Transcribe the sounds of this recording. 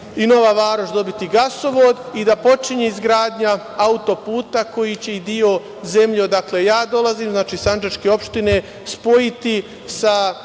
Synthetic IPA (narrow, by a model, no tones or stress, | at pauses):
ino̞ʋaʋaːɾot͡ʃd̪o̞bit̪iɡaso̞ʋoːd̪id̪apo̞t͡ʃiɲeizɡɾaːd̪ɲa | aut̪o̞puːt̪ako̞jit͡ɕe̞id̪io̞ | ze̞mʎod̪akle̞jaːd̪o̞lˠaziːmznaːt͡ʃiːsand͡ʒeʃkeo̞pʃt̪ine | spo̞jit̪i | sa